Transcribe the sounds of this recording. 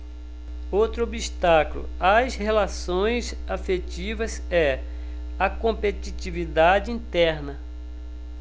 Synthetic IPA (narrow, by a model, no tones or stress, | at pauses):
owt̪ɾʊobiʃt̪aklʊ̰ɐshelasõj̃z | afet͡ʃivɐzɛ | ɐkõpet͡ʃit͡ʃivid̪ad͡ʒɪĩt̪ɛɾnɐ